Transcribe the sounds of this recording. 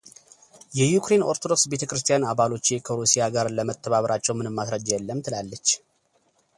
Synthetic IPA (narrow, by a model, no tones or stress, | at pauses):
jɛjukɾe̞no̞ɾt̪ʰod̪o̞ksbe̞t̪ʰəkɾɨst̪ʰijanaβalo̞t͡ʃːekʰəɾusijaɡaɾləmət̪ʰːəβaβəɾʔat͡ʃːɛwmɨnɨmːasɾəd͡ʒjɛlːəmːt̪ʰɨlalːət͡ʃː